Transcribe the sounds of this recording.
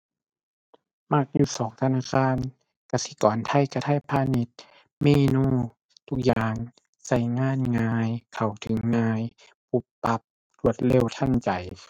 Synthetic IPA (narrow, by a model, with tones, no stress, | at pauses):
ma˧˩k̚juː˧˩sɔː˨˦ŋt̪ʰa˧naː˧˥˨kʰaː˧˥˨n | ka˧˩si˧˦kɔː˨˦nt̪ʰa˧˩˨jka˧˩t̪ʰa˧˥˨jpʰaː˧˨ni˧˦t̪̚ | meː˧˥˨nuː˧˥˨ | t̪ʰu˧k̚jaː˧ŋ | sa˧˩jŋaː˧˥˨nŋaː˧jkʰa˨˩wt̪ʰɯ˨˦ŋːaː˧j | pu˧˦pːa˧˦p̚ | lu˧˩ət̪̚le˧˥˨wt̪ʰa˧˥˨nt͡ɕa˨˩j